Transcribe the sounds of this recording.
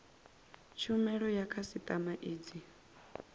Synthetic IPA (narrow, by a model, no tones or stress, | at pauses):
t͡ʃʰumɛɺɔjakʰasit̪ʼamaʔeːd͡zi